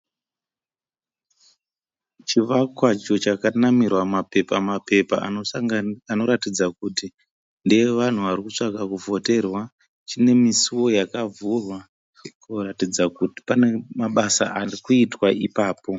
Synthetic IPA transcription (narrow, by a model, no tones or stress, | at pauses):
t͡ʃiʋakwat͡ʃo̞t͡ʃakanamirwamapepamape̞paoano̞ɾatid͡zakuti | ndeeʋan̤uʋaɾikut͡ʂakakuvʱo̞te̞rwa | t͡ʃine̞misiwo̞jakavurwa | koratid͡zakuti̥panemaɓasa̰ʔarikuitwaipaːpo̞